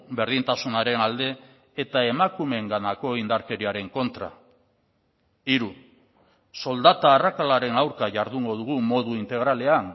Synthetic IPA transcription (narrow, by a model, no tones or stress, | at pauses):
be̞ɾðint̪asunaɾe̞nald̪e̞ː | t̪ae̞makume̞ŋɡanako̞ind̪aɾke̞ɾiaɾe̞ŋko̞nt̪ɾa̰ | iɾu | so̞ld̪at̪aːrakalaɾe̞nawɾkaʝaɾðuŋɡo̞ðuɣ̞umo̞ðuint̪e̞ɣ̞ɾale̞an